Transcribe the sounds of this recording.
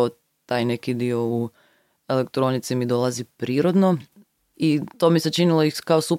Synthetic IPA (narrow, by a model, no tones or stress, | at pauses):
o | t̪ajne̞kid̪io̞u | e̞le̞kt̪ɾonit̪simid̪o̞lˠazipɾiːɾod̪no̞ | it̪oːmiset͡ʃiniloixkaosup